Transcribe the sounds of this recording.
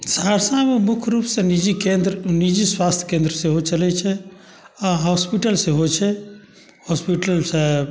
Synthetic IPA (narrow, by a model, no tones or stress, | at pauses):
saɾsãmemʊkʰɾupsẽnid͡ʒikẽnd̪ɾnid͡ʒiswaːst̪ʰkẽːnd̪ɾəsẽɦot͡ʃəlɛt͡ʃʰɛ | ãɦɔspiʈəlsẽɦot͡ʃʰɛ | hɔspiʈəlsẽ